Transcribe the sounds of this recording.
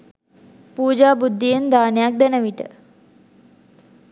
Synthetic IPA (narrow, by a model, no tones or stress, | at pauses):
puːd͡ʒaːbud̪ʱːijend̪aːnejak̚d̪enəʋiʈə̰